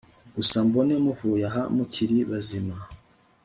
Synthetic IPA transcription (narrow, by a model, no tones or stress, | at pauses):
ɡusambonemuvujaɦamuciɾiβazima